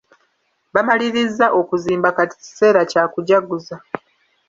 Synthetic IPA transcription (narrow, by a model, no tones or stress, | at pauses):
βamaliɾizːaʔo̞kuziːmbakati̥ci̥se̞ːɾacaːkuɟaɡuza